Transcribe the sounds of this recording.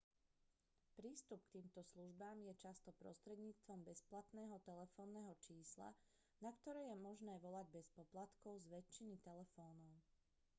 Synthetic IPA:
pɾiːst̪up̚kt̪iːmt̪ɔsluʒbaːmjɛt͡ʃast̪ɔpɾɔ̰st̪ɾɛd̪ɲiːt͡st̪ʋɔmbɛsplat̪nɛːɦɔt̪ɛlɛfɔːnːɛːɦɔt͡ʃiːsla̰ | nakt̪ɔɾɛːjɛmɔʒnɛːʋɔlaɟbɛspɔplat̪kɔʊzʋɛt͡ʃːinit̪ɛlɛfɔːnɔʊ

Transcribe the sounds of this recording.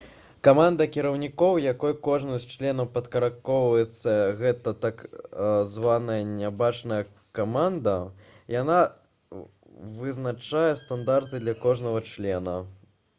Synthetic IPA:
kamand̪ɐkʲiɾɐwnʲikɔwjakɔjkɔʐnɨsʲt͡ʂlʲɛnɐwpɐt̪kɐɾakɔwvɐjɛt̪sːɐɣɛt̪ɐt̪akzvanɐjɐnʲabat͡ʂnɐjɐ | kamand̪ɐ | jana | vɨznat͡ʂajɛst̪and̪art̪ɨd̪lʲɐkɔʐnɐɣɐt͡ʂlʲɛnɐ̰

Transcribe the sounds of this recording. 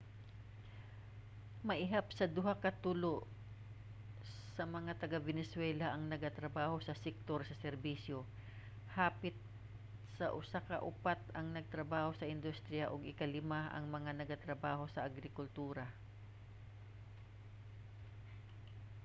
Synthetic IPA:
mɐʔɪɦap̚sɐd̪ʊɦakɐt̪uːlo | sɐmɐŋat̪ɐɡabɛnɛswɛlaʔɐŋnɐɡat̪ɾɐbaːho̞sɐsɛk̚t̪oɹsɐsɛɾbisjo | haːpɪt̪̚ | sɐʔʊsakɐʔʊpat̪ɐŋnɐɡ̚t̪ɾɐbaːho̞sɐʔɪnd̪ust̪ɾɪjaʔoɡɪkɐlɪmaɐ̰ŋmɐŋanɐɡat̪ɾɐbaːho̞sɐʔɐɡɾɪkʊlt̪uːɾa

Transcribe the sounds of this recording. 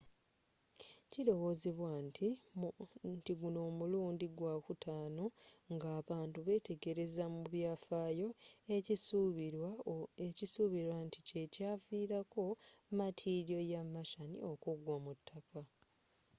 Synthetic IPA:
ciɾo̞wo̞ːzeβwan | ntiɡuno̞ːmuluːndiɡwakutʰaːno̞ŋɡaːβaːntuβe̞ːte̞ɡe̞ɾe̞zamuβjaːfaːjo̞e | ecisuβiɾwantice̞caːviːɾako̞matʰiːɾjo̞jamːaʃanḭo̞kuɡwamutʰːaka

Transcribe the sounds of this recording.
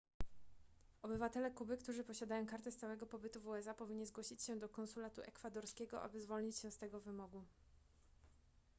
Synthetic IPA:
ɔbɘvat̪ɛlɛkubɘkt̪uʐɘpɔɕad̪ajɔ̃w̃kaɾt̪ɛst̪awɛɡɔpɔbɘt̪uvuɛsapɔvʲiɲːizɡwɔɕit͡ɕɕɛ̃d̪ɔkɔnsulat̪uʔɛkfad̪ɔɾskʲɛɡɔʔa̰bɘzvɔlɲit͡ɕɕɛst̪ɛɡɔvɘmɔɡu

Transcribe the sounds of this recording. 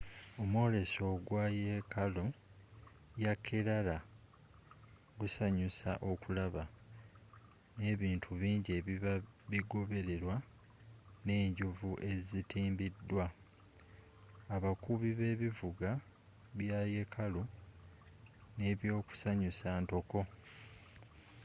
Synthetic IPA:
o̞mwo̞ːle̞so̞ɡwaːje̞kʰalo | jakʰːe̞ɾala | ɡusaɲusa̰ʔo̞kulaβa | ne̞ːβiːntʰuβiːɲɟeβiβaβiɡo̞βe̞ɾe̞ɾwa | ne̞ːɲɟuvuʔe̞zitʰiːmbidːwa | aβakuβiβe̞ːβivuɡa | βjaːje̞kʰalu | ne̞βjo̞ːku̥saɲusaːnto̞ko̞

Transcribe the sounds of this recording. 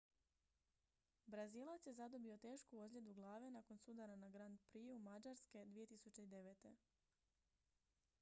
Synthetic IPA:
bɾaziːlˠat̪sje̞zad̪o̞bio̞t̪e̞ːʃkuozlʎʲe̞d̪uɡlˠaːʋe̞naːko̞nsud̪aɾanaɡɾand̪̚pɾiumad͡ʒaɾske̞d̪ʋije̞t̪isut͡ʃe̞id̪e̞ʋet̪e̞

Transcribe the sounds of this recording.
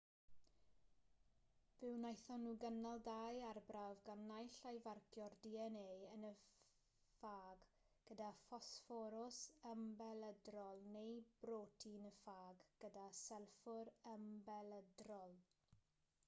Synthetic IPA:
vɪwnajθɔnuːɡənalˠdajarbravɡanːajɬajvarkʰjɔrdiɛneːənə | faːɡ | ɡ̥ədafɔsfɔɾʊsəmbɛlˠədrɔlˠnejbroːtʰinəfaːɡɡ̥ədasɛlˠfʊɾəmbɛlˠədrɔlˠ

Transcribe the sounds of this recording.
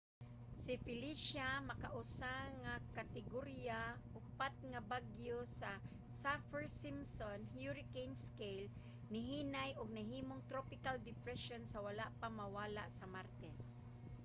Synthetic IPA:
sɪfɪliʃamɐkaʔʊsaŋakat̪ɪɡoɾjaʔʊpat̪̚ŋɐbaɡjosa | safɛɹsimsonhjuɾɪkejnskejl | nɪɦinajʔʊɡ̚nɐɦiːmoŋt̪ɾopɪkald̪ɪpɾɛʃonsɐwɐlaʔpaŋmɐwaːlaʔsɐmaɾt̪ɛs

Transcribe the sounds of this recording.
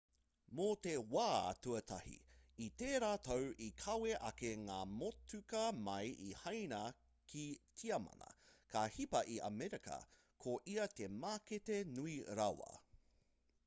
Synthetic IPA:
motewa̰ːtuɐtʰɐhḭit̪eːɾaːt̪owʔikʰɐweʔɐkeŋaːmotʉkɐmɐjʔihɐjnɐ | kʰitʰiɐmɐ̰nɐ̰kʰaːhipɐʔiʔɐ̰mɛɾikɐ̰ | kʰoʔiɐt̪emaːketenuiɾawɐ̰

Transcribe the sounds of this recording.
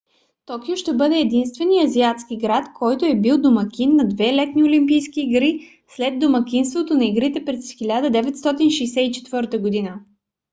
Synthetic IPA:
t̪ɔkioʃt̪ɛbɤd̪ɛːd̪inst̪vɛniɐziat̪skiɡɾat̪kʰɔjt̪oɛbilˠd̪omɐkʲinːɐd̪vɛlɛt̪niolimpijskiːɡɾi | slɛd̪d̪omɐkʲinst̪vot̪onɐiɡɾit̪ɛpɾɛsxilʲad̪əd̪ɛvɛt̪st̪ɔt̪inʃɛjsɛit͡ʃɛ̥t̪vɤɾt̪əɡod̪inə

